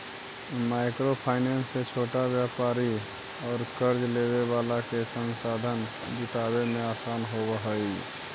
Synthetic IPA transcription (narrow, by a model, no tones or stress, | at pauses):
maːɪkɾopʰaːɪnenset͡ʃʰoːʈabjaːpaːɾi | ɔːɾkəɾd͡ʒleːwebaːlakesə̃nsaːd̪ʱən | d͡ʒɪt̪aːbemẽaːsaːnɦobəɦəi